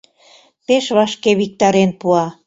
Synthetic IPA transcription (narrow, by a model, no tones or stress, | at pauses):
peʃβɑʃkeβik̚t̪ɑɾenpuɑ